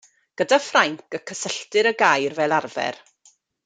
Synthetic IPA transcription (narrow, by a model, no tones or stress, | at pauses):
ɡ̥ədafraŋkəkʰəsəɬtɨɾəɡajrvɛːlˠarvɛ̰r